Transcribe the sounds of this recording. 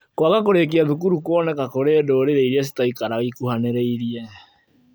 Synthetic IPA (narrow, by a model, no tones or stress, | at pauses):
kwaɣakoɾek̬eaðukuɾukwɔnɛkakoɾedoːɾeɾeiɾɛs̬i̥taikaɾaɣikuhaneɾeiɾiɛ